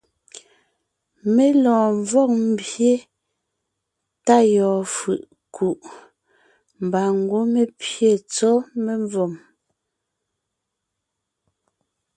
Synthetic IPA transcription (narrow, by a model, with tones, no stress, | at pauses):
me˦lɔ̃ː˨ɱ˨vɔ˦˨k̚m̩˦˨bje˦ | ta˦˨jɔː˨fɯ˨ʔ | kʰu˨ʔ | m˨ba˨ŋ̩˨ɡwo˦me˨pje˦˨t͡sɔ˦me˨ɱvɔ˨m